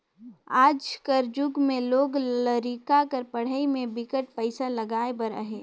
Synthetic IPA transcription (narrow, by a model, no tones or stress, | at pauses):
aːd͡ʒkəɾd͡ʒʊɡmẽloːɡləɾikakəɾpəɽ̤əimẽbɪkəʈ̚pəɪsalɐɡaːebəɾə̰ɦeː